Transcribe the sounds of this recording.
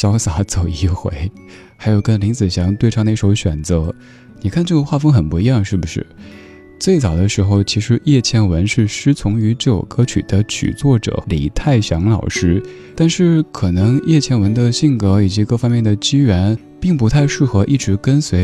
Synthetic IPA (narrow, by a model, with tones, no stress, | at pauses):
ɕjɑ˥ʊsa˧˥t͡so˨˩ʊi˧˥˩xwḛ˧˥ɪ | xa˧˥ɪjo˨˩ʊkə˥nli˧˥ŋt͡sɹ̩˨˩ɕjɑ˧˥ŋt̪we˥˧ɪʈ͡ʂʰɑ˥˧ŋne˥˩˥ʂo˧˥ʊɕɥɛ˨˩nt͡sɤ˧˥ | ni˨˩kʰa˥˧nʈ͡ʂɤ˥˩ɡə˧xwa˥˩fɤ˥ŋxə˨˩npu˧˥i˧˥jɑ˥˧ŋʂɻ̩˥˩bu˨˩ʂɻ̩˥˩ | t͡swe˥˩ɪt͡sɑ˨˩ʊd̪ə˦ʂɻ̩˧˥xo˥˧ʊt͡ɕʰi˧˥ʂɻ̩˧˥jɛ˥˩t͡ɕʰjɛ˥˩nwə˧˥nʂɻ̩˥˩ʂɻ̩˥t͡sʰʊ˧˥ŋy˧˥ʈ͡ʂɤ˥˩jo̰˨˩ʊkɤ˧˥t͡ɕʰy̰˨˩d̪̥ə˦t͡ɕʰy̰˨˩t͡swɔ˥˩ʈ͡ʂɤ̰˨˩˦lḭ˨˩t̪ʰa˥˩ɪɕjɑ˧˥ŋlɑ˨˩ʊʂɻ̩˥ | t̪a˥˧nʂɻ̩˥˩kʰɤ˨˩nɤ˧˥ŋjʔɛ˥˧t͡ɕʰjɛ˥˩nwə˧˥nd̪ə˧ɕi˥˩ŋkɤ˧˥i˨˩t͡ɕi˧˥kɤ˥˩fɑ˥ŋmjɛ˥˩nd̪ə˩t͡ɕi˥ɥɛ˧˥n | pi˥˩ŋpu˧˥t̪ʰa˥˧ɪʂɻ̩˥˩xɤ˧˥ʔi˥˩ʈ͡ʂɻ̩˧˥kə˥nswe˧˥ɪ